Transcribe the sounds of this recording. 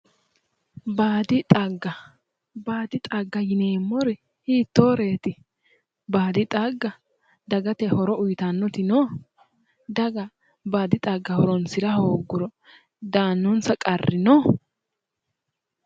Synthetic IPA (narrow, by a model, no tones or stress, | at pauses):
baːd̪ɪt̪ʼɐɡːɐ | baːd̪ɪt̪ʼɐɡːɐjɪneːmːɔɾɛ | hiːt̪ːoːɾe̞ːt̪ɪ | baːd̪ɪt̪ʼaɡːɐ | d̪ɐɡɐt̪ɛhɔɾɔʔʊjt̪ɐnːɔt̪ɪnɔ | d̪ɐɡɐ | baːd̪ɪt̪ʼaɡːɐhɔɾɔnsɪɾɐhoːɡːʊɾɔ | d̪aːnːʊnsɐkʼɐrːɪnɔ